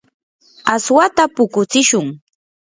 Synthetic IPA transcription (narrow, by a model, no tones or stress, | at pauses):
aswat̪apʊkʊt͡sɪʃʊŋ